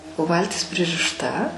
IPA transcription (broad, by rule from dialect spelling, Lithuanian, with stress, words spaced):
oː ˈʋɐlʲtʲɪs pʲrʲɪrʲɪʃˈtɐ